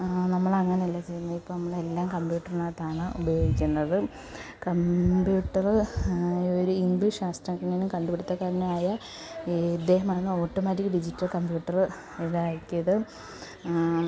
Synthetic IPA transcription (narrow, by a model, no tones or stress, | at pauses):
nɐmːɐɭɐŋːɐneɐlːɐt͡ɕejunːuipːonɐmːɐɭe̞lːaːmkɐmbjuːʈːɐrinat̪aːɳɨubɐjo̞ːɡikʲːunːɐðɨ | kɐmbjuːʈːɐrɨ | oɾuinbɨʂaːst̪ɾɐkːɐɳinukɐɳɖupeɽut̪ːɐkːaːɾɐnumaːjɐ | d̪ːe̞ːɦɐmaːnɨo̞ːʈːomaːtːikʲːɨɖid͡ʑitːɐlkɐmbjuːʈːɐrɨ | eðaːjkːijɐðɨ